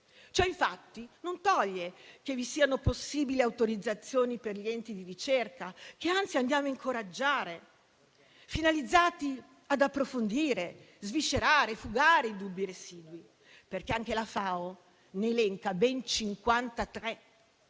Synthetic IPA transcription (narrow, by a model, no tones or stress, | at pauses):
t͡ʃɔiɱfat̪ːinont̪ɔʎːekevisiːanoposːiːbiliawt̪oɾid̪zat̪sːjoːniperʎiɛnt̪id̪iɾit͡ʃerkak̟eant̪siand̪jaːmoiŋkʰoɾad͡ʒːaːɾe | finalid̪zːaːt̪i | ad̪apːɾofond̪iːɾe | zvit͡ʃːeɾaːɾefuɡaːɾeid̪ubːiɾesiːd̪wi | perkeaŋk̟elafaːo | nelɛŋkabɛnt͡ʃiŋkwant̪at̪ɾɛ